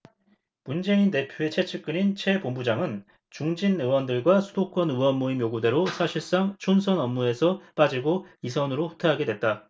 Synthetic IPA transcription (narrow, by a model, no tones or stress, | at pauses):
mund͡ʑe̞inte̞pʰjoe̞t͡ɕʰe̞t͡ɕʰɯk͈ɯnint͡ɕʰe̞bombud͡ʑaŋɯn | t͡ɕuŋd͡ʑinɯwʌndɯɭɡwasʰudok͈ʰʌnɯwʌmːuimjoɡude̞ɾosʰaɕʰiɭs͈aŋt͡ɕʰonsʰʌnʌmːue̞sʰʌp͈ad͡ʑiɡoisʰʌnɯɾoɸu̥tʰaɦaɡe̞dwet̚t͈a